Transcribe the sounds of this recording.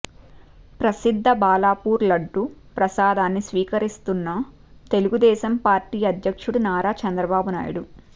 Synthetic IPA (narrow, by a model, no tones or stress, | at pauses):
pɾɐsid̪ʱːɐbaːlaːpuːɾlɐɖːupɾɐsaːd̪aːnːisʋiːkɐɾist̪unːɐ | t̪e̞luɡud̪ɛːʃɐmpaːɾʈiːɐd̪ʱjɐkʂuɽunaːɾaːt͡ʃɐnd̪ɾɐbaːbuna̰ːjṵɽu